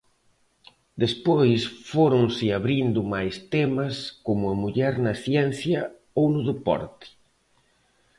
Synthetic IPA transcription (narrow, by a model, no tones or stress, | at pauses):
d̪espojsfoɾʊŋsɪaβɾind̪ʊmajst̪ɛmɐskomʊɐmuʎɛɾnɐθjɛnθjɐ | ownʊðepɔ̰ɾt̪ɪ̥